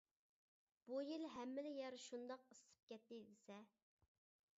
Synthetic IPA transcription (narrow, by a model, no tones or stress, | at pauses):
b̥ujilɦɛmːɪlɪjɛɾʃund̪ɑqəsɨ̥p̚kʲɛt̪ːɪd̪ɪsɛ